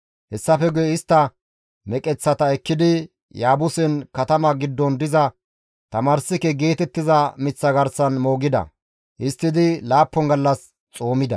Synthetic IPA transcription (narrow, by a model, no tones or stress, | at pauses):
hɛsːɐfɛɡʊjɛɪst̪ːɐ | mɛkʼɛt͡sːɐt̪ɐɛkːɪd̪ɪ | jaːbʊsɛnkɐt̪ɐmɐɡɪd̪ːɔnd̪ɪzɐ | t̪ɐmaːɾsɪkɛɡe̞ːt̪ɛt̪ːɪzɐmɪt͡sːɐɡɐɾsɐnmo̞ːɡɪd̪ɐ̰ | ʔɪst̪ːɪd̪ɪlaːpːɔŋɡɐlːɐs | t͡sʼo̞ːmɪd̪ɐ̰